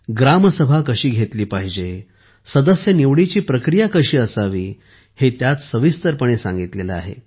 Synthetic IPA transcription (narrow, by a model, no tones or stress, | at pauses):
ɡɾaməsəbʱakəɕiːɡʱet̪liːpaɦid͡ʑe | səd̪əsjəniʋɽit͡ɕiːpɾəkɾijakəɕiːəsaʋiː | het̪jat̪səʋist̪əɾpəɳ̃esã̰ŋɡit̪lelə̰a̰ɦḛ